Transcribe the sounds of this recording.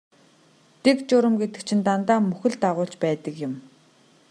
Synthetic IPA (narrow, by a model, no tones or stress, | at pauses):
t̪ekt͡ɕʊɾə̆mɡet̪ɘ̥̆k̚t͡ɕʰĭnt̪ant̪aːmɵxɵ̆ɮt̪aʁʊːɬt͡ɕpæːt̪ə̆kjɪ̆m